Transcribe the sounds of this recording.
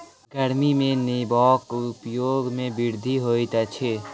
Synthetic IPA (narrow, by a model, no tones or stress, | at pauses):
ɡəɾmimẽnebɔːkʊpjoːɡmẽbɪɾd̪ʱiɦoːit̪at͡ʃʰe